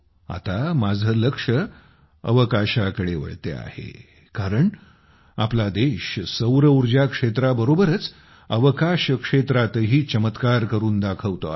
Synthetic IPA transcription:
a̰t̪amad͡zʱələkʂə | ə̰ʋəkaɕakəɽeʋə̰ɭt̪ḛa̰hḛ | kaɾəɳ | aplad̪eɕsəwɾəuɾd͡ʑakʂet̪ɾabəɾobəɾət͡s | əʋəkaɕəkʂet̪ɾat̪əɦiːt͡ɕəmət̪kaɾkəɾuːnd̪akʰəʋt̪o̰

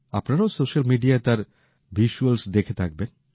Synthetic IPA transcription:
a̰pnaɾaosoʃalmiɖiaet̪aɾ | biʃuelsd̪ekʰet̪ʰak̚ben

